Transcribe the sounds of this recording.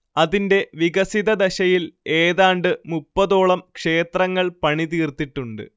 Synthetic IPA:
ɐðinde̞ʋiɡɐsiðɐd̪ɐɕɐjile̞ːðaːɳɖɨmupːɐðo̞ːɭɐmkʂe̞ːt̪rɐŋːɐɭpɐɳit̪iːrt̪ːiʈːuɳɖɨ̰

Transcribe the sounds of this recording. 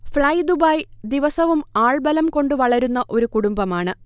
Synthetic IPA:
fɭɐjd̪ubaːjd̪iʋɐsɐʋumaːɭbɐlɐmko̞ɳɖɨʋɐɭɐɾunːɐʔo̞ɾukuɽumbɐmaːɳɨ

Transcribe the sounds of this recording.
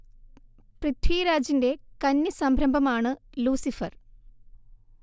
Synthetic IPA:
prɨt̪ʰwiːɾaːd͡ʑinde̞kɐnːisɐmbʱɾɐmbʱɐmaːɳɨluːsifɐr

